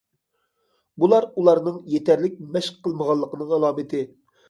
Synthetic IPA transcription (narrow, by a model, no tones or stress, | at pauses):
bulˠɑɾulˠɑɾnɨŋjet̪ʰɛɾlɪk̚ʲmɛʃqqʰːəlˠməʁɑlˠːəqənɨŋɑlˠɑːmɨt̪ʰɪ